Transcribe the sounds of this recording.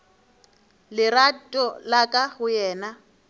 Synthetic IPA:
lɪratʼɔlakʼahʊjɛːna

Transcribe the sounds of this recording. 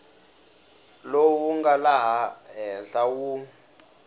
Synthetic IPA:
lowuŋɡalaɦaɦɛnɬawu

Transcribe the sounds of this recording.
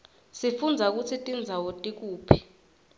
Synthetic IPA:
sifund͡zʱak̬ʼut͡sʰitʼind͡zʱawotʼik̬ʼuːpʰi̥

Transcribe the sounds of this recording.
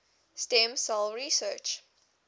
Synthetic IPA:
stɛ̃msɛlɹisət͡ʃ

